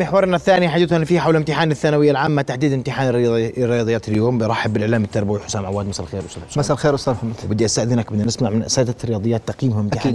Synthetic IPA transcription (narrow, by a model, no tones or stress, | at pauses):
mɪħwɑɾˤʔɪnːaθːaːniħad͡ʒuːt̪hanfiːhħawlɪmt̪ɪħaːnaθːaːnawɪjːalʕaːmːat̪aħd̪iːd̪ɪmt̪ɪħaːnɾːɪjɑːd̪ˤɨjaːt̪ɪljoːmbɾˤɑħːɪbːɪlʔɪʕlaːmɪt̪ːɑɾˤbawiħʊ̥saːnʕawaːd̪masalxeːɾwʔst̪ad̪ħsmaslxeːɾwʊst̪aːd̪ħamːad̪bɪd̪ːiʔast̪aːʔd̪inak̚bɪd̪ːnɪsmaʕmɪnʔsaːd̪aɾɪjɑːd̪ˤɨjaːt̪ːɑqjiːmhʊmɪmt̪ɪħː